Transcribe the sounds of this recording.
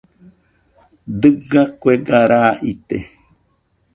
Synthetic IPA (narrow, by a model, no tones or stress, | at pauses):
d̪ɨɡakʷeɡaɾaʔit̪e